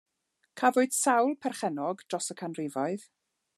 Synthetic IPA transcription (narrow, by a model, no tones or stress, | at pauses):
kʰavoɨd̥sawlˠpʰɛrχɛnɔɡd̥rɔsəkʰanrɪvɔɨð